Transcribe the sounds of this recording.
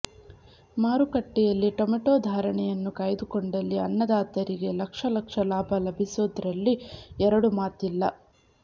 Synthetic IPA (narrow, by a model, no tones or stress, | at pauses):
maːɾukɐʈːijɐlːiʈomiʈoːd̪ʱaːɾɐɳɛjɐnːukaːjd̪ukoɳɖɐlːiɐnːɐd̪aːt̪ɐɾiɡe̞lɐkʂɐlɐkʂɐlaːbʱɐlɐbʱisud̪ɐɾɐlːiɛɾɐɽumaːt̪ilːɐ